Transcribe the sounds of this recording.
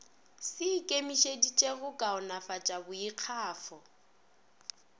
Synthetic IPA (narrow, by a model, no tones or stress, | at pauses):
sɪkʼemiʃedit͡ʃʼeɣʊkʼaʊnafat͡ʃʼabʊiq͡χʰaːfɔ